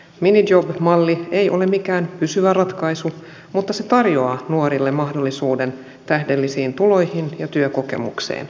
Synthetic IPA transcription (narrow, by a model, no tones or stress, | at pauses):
minid͡ʒobmɑlːiejʔole̞mikæːnpysyʋærɑt̪kɑisu | mut̪ːɑse̞t̪ɑrjoɑːnuoɾilːemmɑhdo̞lːisuːden | t̪æhdelːisiːnt̪ulo̞jhinjɑt̪yøko̞ke̞̰mṵksḛːn